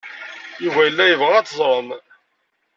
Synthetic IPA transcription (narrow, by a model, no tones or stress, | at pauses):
juvæjəlːæjəvʁææt͡sːzˤɾˤəm